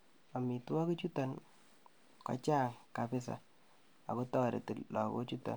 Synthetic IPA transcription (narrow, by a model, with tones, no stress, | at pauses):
a˨mi˨tu˦a˦ki˦t͡ʃu˦ta˨n | ka̰˦t͡ʃa˦˨ŋka˨pɪ˦s̬a̰˨ | a̰˨ko˦tɔ˦˨ɾḛ˨tɪ˨llɔ˨ko̰˦t͡ʃu˦ta̰˨